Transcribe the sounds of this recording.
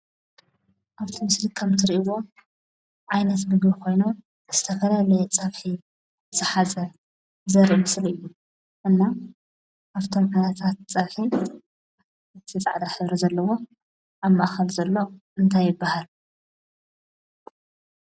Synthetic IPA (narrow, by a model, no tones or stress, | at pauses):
ʔaβt̪ʰimɨslkʰɐmt̪ʰɨɾiʔwo̞ | ʕajnɐt̪mɨɡbikʰo̞jnu | zɨt̪ʰɐfɐlalɐjɛt͡sʼɐβħi | ɨt̪ɨħazɐ | zɐɾʔmɨslɨjːu | ʔɨnːa | ʔaβt̪ʰo̞mʕanɐt̪ʰat̪t͡sʼɐβħi | t̪ʰɨt͡sʼa̰ʕd̪aħɨβɾizɐlːɐwo̞ | ʔaβmːaʔaxɐlzɐlːo̞ʔɨnt̪ʰajːɪbːahal